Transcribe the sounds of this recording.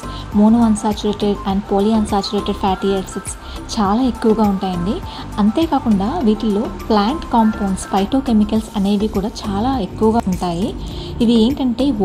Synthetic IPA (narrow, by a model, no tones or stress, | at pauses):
moːnuːɐnsaːt͡ʃuɾeːʈeɖɐːɳɖpoːliɐnsaːt͡ʃuɾeːʈeɖpʰaːʈieɾsiʈs | t͡ʃaːlaːe̞kːuʋɐɡaːuɳʈaːjɐɳɖi | ɐnt̪e̞ːkaːkuɳɖaːʋiːʈilːo̞ːplaːɳʈkaːmpoːnspɐjʈoːke̞mikɐlsɐne̞ːd̪ikuːɽaːt͡ʃaːlaːe̞kːuʋɐɡaːɳʈaːji | iʋieːŋkɐɳʈe̞ː